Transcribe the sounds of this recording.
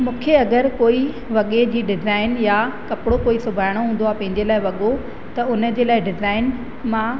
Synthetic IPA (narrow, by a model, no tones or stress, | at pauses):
mũːkʰeɐɡəɾkoːi | ʋɐɠed͡ʑiːɖɪzaːɪnjakɐpɪɽokoːisʊbʱaːɪɽ̃oɦũːnd̪oaːpɐ̃ɦɪ̃ɲd͡ʑelaːɪʋɐɠo | t̪ɐʊnə̆d͡ʑeːlaːɪɖɪzaːɪn | mã